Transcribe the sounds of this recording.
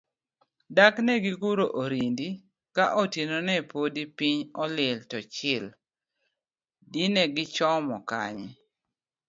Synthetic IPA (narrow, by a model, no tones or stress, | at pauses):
daknɛɡiɡuɾoʔoɾindi | kaʔotinonɛpodipiɲɔlɪltɔt͡ʃɪl | dinɛɡɪt͡ʃɔmɔka̰ɲ